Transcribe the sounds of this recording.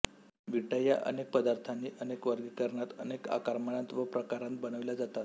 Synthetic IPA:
ʋiʈaja̰ʔə̰nek̚pəd̪aɾt̪ʰaniːʔənekʋəɾɡiːkəɾɳat̪əneka̰kaɾmaɽãnt̪ʋəpɾəkaɾãnt̪̚bəñəʋilad͡zat̪at̪

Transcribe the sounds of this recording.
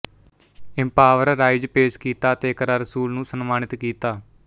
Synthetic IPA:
ɪ̃mpaːʋəɾɾaːɪd͡ʒpeːskiːt̪aːt̪eːkəɾaːɾəsuːlnũːsənmaːnɪt̪kiːt̪aː

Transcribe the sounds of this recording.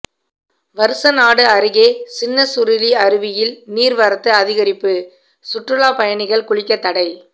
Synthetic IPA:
ʋɐɾɯsɐnaːɽɯɐɾɯɣeːsɪnːɐsʊɾɪliɐɾɯʋɪjɪlniːɾʋɐɾɐt̪ːɯɐðɪɣɐɾɪpːɯ | sʊʈrɯɭaːpɐjɐnɪɣɐɭkʊɭɪkːɐt̪ːɐɽɐɪ

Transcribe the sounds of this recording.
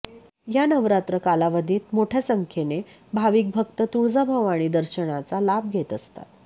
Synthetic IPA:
janəʋɾat̪ɾəkalaʋəd̪ʱiːt̪moʈʰjasəŋkʰene | bʱaʋiːk̚bʱək̚t̪ət̪uɭd͡zabʱəʋaɽ̃iːd̪əɾɕəɳ̃at͡salab̚ɡʱet̪əst̪a̰t̪

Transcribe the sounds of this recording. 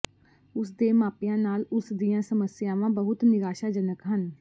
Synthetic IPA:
ʊsd̪eːmaːpijãːnaːlʊsd̪ijãːsəməsjaːʋãːbəɦʊt̪nɪɡaːʃaːd͡ʒənəkɦən

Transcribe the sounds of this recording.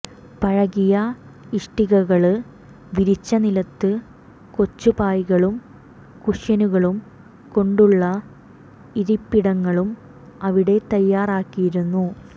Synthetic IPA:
pɐɻɐɣijɐiʂʈiɣɐɣɐɭɨ | ʋiɾit͡ɕːɐnilɐt̪ːɨ | ko̞t͡ɕːupaːjɣɐɭum | kuʂjɐnuɣɐɭum | ko̞ɳɖuɭːɐ | iɾipːiɽɐŋːɐɭum | ɐʋiɽe̞t̪ɐjːaːraːkːijiɾunːu

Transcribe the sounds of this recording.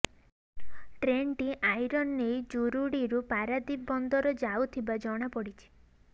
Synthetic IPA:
ʈɾeɳʈiʔajɾɔnːejd͡ʒuɾuɽiɾupaɾad̪ibɔnd̪ɔɾɔd͡ʒawt̪ʰibad͡ʒɔɽ̃apɔɽit͡ʃʰi̥

